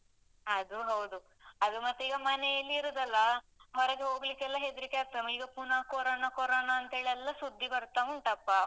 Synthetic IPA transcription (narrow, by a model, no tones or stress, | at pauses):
ɐd̪uɦɐwd̪u | ɐd̪umɐt̪ːeiːɡɐmɐnejɐlːiːɾud̪ɐlːɐ | ɦɔɾɐɡeɦoːɡlikːɛlːɐɦed̪ɾikeat̪ːɐmiːɡɐpunaːkoɾoːnakɔɾoːnaːnt̪ɐɦeːɭiɛlːɐsud̪ʱːibɐɾt̪aʋuɳʈɐpːa